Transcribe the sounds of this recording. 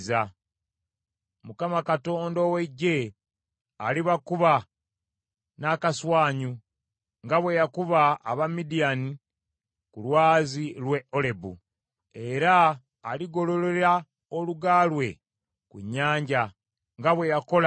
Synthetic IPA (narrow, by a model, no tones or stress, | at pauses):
za | mukamakato̞ːndowe̞ɟːe̞ | aliβakuβa | nakaswaːɲu | ŋɡaβwe̞jakuβaːβamidijani | kulwaːzilwe̞ole̞bṵ | e̞ɾaː | liɡo̞lo̞leeɾa | oluɡaːlwe̞ | kuɲːaːɲɟa | ŋɡaβwe̞jako̞l